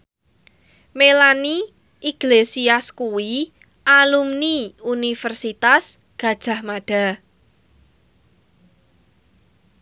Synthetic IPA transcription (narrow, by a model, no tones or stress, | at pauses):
melani | iɡ̥lesiaskuwi | ʔalumniunifɛrsit̪as | ɡ̥ä̤d̥ʒ̥a̤hmaɖ̥a̤